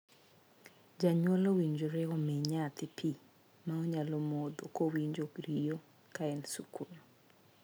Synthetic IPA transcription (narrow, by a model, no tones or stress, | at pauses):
d͡ʒaɲwɔlowiɲd͡ʒoɾɛɔmɛɲat̪ɪpʰi | maɔɲalɔmod̪okowiɲd͡ʒokɾijo | kaɛnsukun